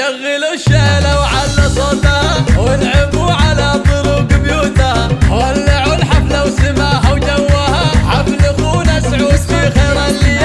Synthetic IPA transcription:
aɣːɪluʃːaʔlawʕalːasˤɑd̪ahwɪlʕɪbuʕalat̪ˤʊɾuɡbjut̪awalːaʕulħablawsɪmaːɦawd͡ʒawːahaʕablɪɣunasʕuːd̪fiɣajɾˤalːɪa

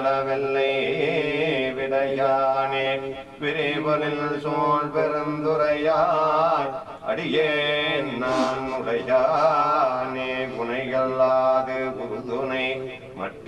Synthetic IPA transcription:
lɐʋɛlːɐj | ʋɪɽɐjaːne | ʋɪɾɐʋɐɾɪnsoːlpɛɾɐmd̪ʊɾɐjaː | ɐ̰ɽijennaːnʊɽɐjaː | neɡʊnɐɪɣɐɭːaːðɯɡʊɾðunɐɪ | mɐ̰ʈː

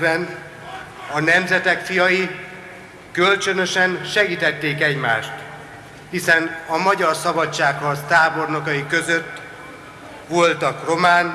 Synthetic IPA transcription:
bɛn | ɒnɛmzɛt̪ɛkfijɒji | kølt͡ʃønø̞ʃɛnʃɛɡiːt̪ɛt̪ːeːkɛɟmaːʃt̪ | hisɛnɒmɒɟɒrsɒbɒt͡ʃːaːkhɒrst̪aːbo̞rnokɒjikø̞zøt̪ː | ʋo̞lt̪ɒkro̞maːn

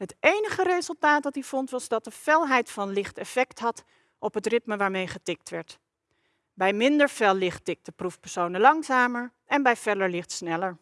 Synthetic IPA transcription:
ɦətʔejnəχərejzəlˠtaːtdɑtivɔntʋɑzdɑt̚dəfɛlˠɦɛjtfɑnlɪχtɛfɛktɦɑt | ʔɔpɦətrɪtməʋaːɹmejχətɪk̚tʋɛɹt | bɛjmɪndəɹvɛlˠɪχtɪk̚təprufpəɹsownəlɑŋzaːməɹ | ɛnbɛjv̥ɛdəɹlɪχtsnɛləɹ

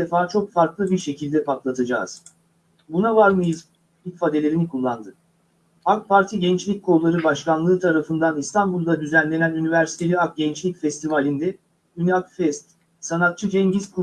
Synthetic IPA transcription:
efaːt͡ʃʰo̞kfaɾklˠɯbiɾʃe̞cʰilʲd̪ɛpak̪lˠat̪ʰad͡ʒa̰ːz̥ | bunavaɾmɯjiz | ilcfad̪e̞lʲeɾinikʰulˠːand̪ɯ | ak̚pʰaɾt̪ʰiɟɛnt͡ʃlʲic̚ʲkʰoulˠaɾɯbaʃkanlˠɯːt̪ʰaɾafɯnd̪anist̪ʰanbulˠd̪ad̪yzænlʲe̞nænynivæɾsi̥t̪ʰe̞lʲiak̚ɟɛnt͡ʃlʲicfɛst̪ʰivalʲind̪ɛ | yniakfɛst̪ | sanat̪̚t͡ʃʰɯd͡ʒɛɲɟiz̥kʰu

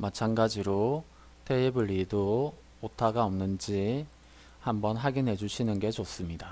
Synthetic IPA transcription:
mat͡ɕʰanɡad͡ʑiɾo | tʰeebɯɭːido | otʰaɡaʌmnɯnd͡ʑi | hambʌnɦaɡinɦe̞d͡ʑuɕʰinɯnɡe̞d͡ʑos͈ɯmɲida

